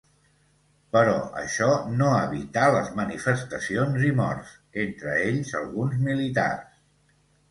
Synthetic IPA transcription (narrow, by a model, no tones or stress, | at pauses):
pəɾɔ̰ə̰ʃɔnoəβit̪aləzmənifəst̪əsionzimɔ̰rs | ent̪ɾəeʎzə̰lˠɣunzmilit̪a̰rs